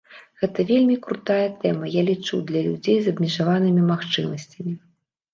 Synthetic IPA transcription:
ɣɛt̪ɐvʲelʲmʲikɾut̪ajɐt̪ɛmɐjalʲit͡ʂud̪lʲɐlʲud͡zʲejzɐbmʲɛʐavanɨmʲimaxt͡ʂɨmɐsʲt͡sʲɐmʲi

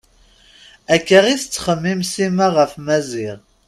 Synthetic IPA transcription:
ækːəʁiθt͡sːχəmːimsimaʁəfmæziʁ

